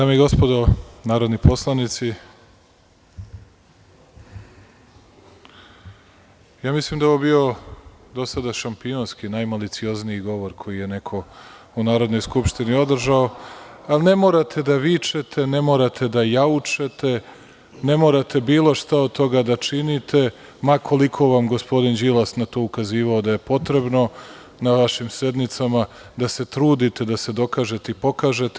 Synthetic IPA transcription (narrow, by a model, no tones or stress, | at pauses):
d̪aːmeiɡo̞spo̞d̪o̞naːɾo̞d̪nipo̞slˠanit̪si | jaːmislˠimd̪aoʋobio̞d̪o̞sad̪aʃampionskinajmalit̪sio̞zniiɡo̞ʋo̞ɾkʰo̞jije̞ne̞kʰo̞unaːɾo̞d̪no̞jskupʃt̪inio̞d̪r̩ʒao̞alne̞mo̞ːɾat̪ʰe̞d̪aʋit͡ʃet̪ʰe̞ne̞mo̞ːɾat̪ʰe̞d̪ajaut͡ʃe̞t̪e | ne̞moɾat̪e̞biːlˠo̞ʃt̪aod̪̚t̪o̞ɡad̪at͡ʃinit̪ʰe̞ | makʰo̞likʰo̞ʋamɡospo̞d̪ind͡ʒilˠasnat̪o̞ukaziːʋaod̪ajepo̞t̪ɾe̞bno̞ | naʋaʃimse̞d̪nit̪sama | d̪ase̞t̪ɾuːd̪it̪e̞d̪ase̞d̪o̞kaːʒe̞t̪e̞ipo̞kaːʒe̞t̪